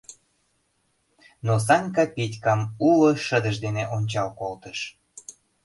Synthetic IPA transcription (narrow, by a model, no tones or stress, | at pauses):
nos̬ɑŋʲkɑpitʲkɑmuloʃəd̪əʃd̪eneʔonʲt͡ɕɑlkolt̪əʃ